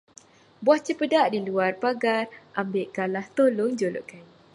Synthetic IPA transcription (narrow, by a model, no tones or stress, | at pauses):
buaht͡ʃəpədaʔdiluarpaɡarʔambeʔkalaht̪olʊŋd͡ʒolo̰ʔkan